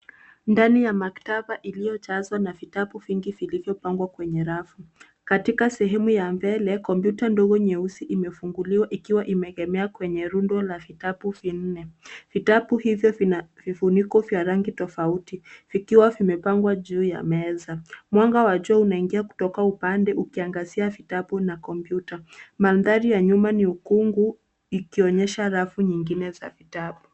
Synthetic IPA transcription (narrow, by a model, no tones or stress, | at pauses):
ndanijamaktabaʔilijɔt͡ʃazwanavitapuviŋɡivilivjɔpaŋɡwakwɛɲɛɾafu | katikasɛɦɛmujambɛlɛkɔmpjutandɔɣɔɲɛusiʔimɛfuŋɡuliwaʔikiwaʔimɛɛɣɛmɛakwɛɲɛɾundwɔlavitapuvin̩nɛv̥itapuhivjɔvvifunikɔvjaɾaŋɡitɔfautivikiwavimɛpaŋɡwaʄuːja̰mɛzamwaŋɡawaʄuaunaiŋɡiaku̥tɔkaupandɛʔukiaŋɡaziavitaɓunakɔmpjutamanðaɾijaɲumaniukuŋɡu | ikiɔɲɛʃaɾafuɲiŋɡinɛza̰vitapu